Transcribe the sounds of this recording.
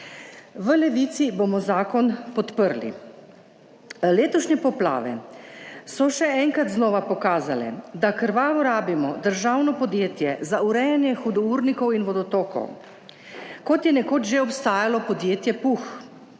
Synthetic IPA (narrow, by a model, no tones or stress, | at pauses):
ʋəlɛʋit̪sibomɔzaːkɔnpɔt̪pəɾlḭ | leːt̪ɔʃɲɛpɔpla̰ːʋɛ̰ | sɔʃɛɛŋkɾat̪znɔːʋapɔkaːzalɛ̰d̪akəɾʋaːʋɔɾaːbimɔd̪əɾʒawnɔpɔd̪jeːt̪jɛzauɾɛjɛnjɛxud̪ɔuɾnikɔwinʋɔd̪ɔt̪oːkɔ̰w | kɔt̪jɛnɛkoːd͡ʒʒeɔpst̪aːjalɔpɔd̪jeːt̪jɛpux